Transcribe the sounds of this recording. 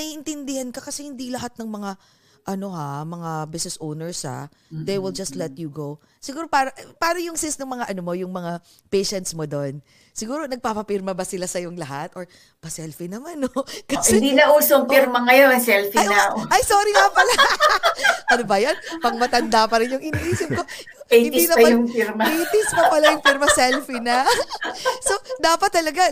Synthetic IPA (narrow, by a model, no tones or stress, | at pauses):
nɐjʔɪnt̪ɪnd̪ɪhɐnkɐkɐsɛhɪnd̪ilɐɦat̪̚nɐŋmɐŋa | ʔɐno̞ɦamɐŋabɪsnɛsʔownɛɹsha̰ | d̪ejwɪld͡ʒɐst̪lɛt̪̚juɡow | sɪɡuːɾopaːɾɐʔpaːɾɐjʊŋsɪnsnɐŋmɐŋaʔɐnomo̞jʊŋmɐŋa | pɛjʃɛnt̪smod̪on | sɪɡuːɾo̞nɐɡ̚paːpɐpɪɾmɐbɐsɪlasɐjoŋlɐɦat̪ʔoɹ | pɐsɛlfinɐmanokɐsɪɪd̪inɐʔuːsoɐŋpiɾmɐŋɐjonsɛlfɐjɐʔɐjso̞ːɾiŋɐpɐla | ʔɐnobɐjanpɐŋmɐt̪ɐnd̪apɐɾɪnjʊŋʔɪniʔiːsɪp̚ko̞ | ehɪninɐmɐmjʊŋfiɾmɐpejt̪ɪspɐpɐlajʊŋpiɾmɐsɛlfinɐ | so̞d̪aːpɐt̪ːɐlɐɡa